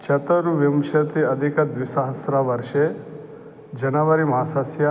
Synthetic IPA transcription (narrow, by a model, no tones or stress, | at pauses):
t͡ʃɐt̪ɐɾuʋimʃɐt̪iɐd̪ʱikɐd̪ʋisaɦɐsɾaʋɐɾʃe | d͡ʒɐnɐʋɐɾimɐasɐsja